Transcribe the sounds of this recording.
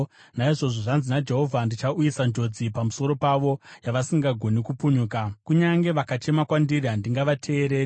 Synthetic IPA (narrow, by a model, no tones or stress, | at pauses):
naiʐo̞ʐo̞ʐanzinad͡ʒe̞ɦo̞vʱandit͡ʃaujisand͡ʒo̞d͡zipamuso̞ɾo̞paʋo̞jaʋasiŋɡaɡʱo̞nikupuɲuːkakuɲaŋɡe̞ʋakat͡ʃe̞makwandiriɦandiŋɡaʋatʰe̞ːɾe̞ːri